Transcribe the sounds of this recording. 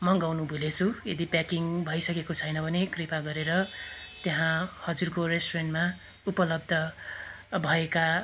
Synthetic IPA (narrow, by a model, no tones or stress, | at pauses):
mʌŋɡawnubʱulet͡sʰuḛd̪ipjakiŋbʱʌjsʌkekot͡sʰʌjnʌbʱʌnekripaɡʌɾeɾʌt̪eɦãhʌd͡zurkoresʈrenʈma | upʌlʌb̚d̪ʱʌ | bʱʌeka